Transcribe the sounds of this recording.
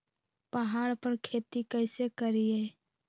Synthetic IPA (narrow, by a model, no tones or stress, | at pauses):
pəɦaːɽpəɾkʰeːt̪ikɛːɪsekəɾieː